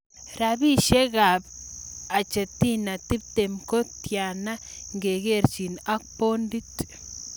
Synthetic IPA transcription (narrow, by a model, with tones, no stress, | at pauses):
ɾa˨bi˦ʃe˦ɡa˨b | a˨t͡ʃa˨t̪i˦na˨t̪i˦bt̪e˨mko˦t̪ja˨na˦ŋɡe˨ɡe˦ɾt͡ʃi˨na˦k̚po˦nd̪i˦t̪